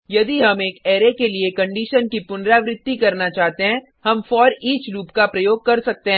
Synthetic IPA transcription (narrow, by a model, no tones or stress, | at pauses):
jɐd̪iɦɐmeːkɛːɾekeliekɐ̃ɳɖiːʃənkipʊnɾaːʋɾɪd̪ːikɐɾnat͡ʃaːɦt̪eɦɛ̃ | ɦɐmfɔːɾiːt͡ʃɾuːpkapɾɐjoːɡ̚kɐɾsɐk̚t̪eɦɛ̃ː